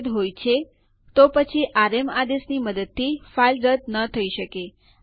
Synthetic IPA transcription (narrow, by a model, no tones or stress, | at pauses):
d̪ɦojt͡ʃʰe | t̪opət͡ʃʰiʔaɾemad̪esniməd̪əd̪̚t̪ʰifailɾəd̪nət̪ʰəiʃəke